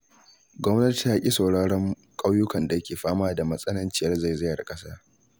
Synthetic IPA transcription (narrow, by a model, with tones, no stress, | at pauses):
ɡʷɔ˦mnɐ˦ti˨jaː˦kʲʼi˦sa˨wɽaː˦ɽɔ˦ŋ | kʼa˦wjʊ˦kɐ˨nda˨jɐ˦kʲeː˨ɸaː˦maː˦da˨mɐ˦sʼɐ˦nɐ˦nt͡ʃɪ˦jɐ˦rza˦˨jzɪ˦jɐ˨rkʼɐ˦saː˦